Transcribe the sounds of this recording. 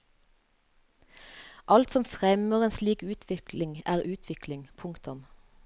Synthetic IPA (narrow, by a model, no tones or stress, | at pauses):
ʔɑlt̪sɔmfʁɛməʁeːnsliːkʉːt̪ʰʋɪklɪŋæːʁʉːt̪ʰʋɪklɪŋpʰʊŋkt̪ʊm